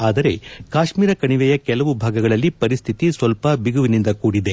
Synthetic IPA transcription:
aːd̪ɐɾe̞kaːʃmiːɾɐkɐɳiʋɛjɐkɛlɐʋubʱaːɡɐɡɐɭɐlːipɐɾist̪ʰit̪isʋɐlpɐbiɡuʋinind̪ɐkuːɽid̪e̞

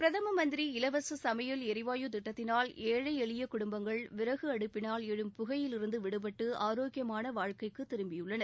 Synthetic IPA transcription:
pɪɾɐðɐmɐmɐnd̪ɪɾiɪlɐʋɐsɯsɐmɐjɐlɛɾɪʋaːjɯt̪ɪʈːɐt̪ːɪnaːleːɻɐɪɛɭɪjɐkʊɽʊmbɐŋɡɐɭʋɪɾɐɣɯɐɽɯpːɪnaːlɛɻɯmpʊɣɐjɪlɪɾɯnd̪ɯʋɪɽɯb̬ɐʈːɯʔaːɾoːɡjɐmaːnɐʋaːɻkɐɪkːɯt̪ːɪɾɯmbɪjɯɭːɐnɐɾ

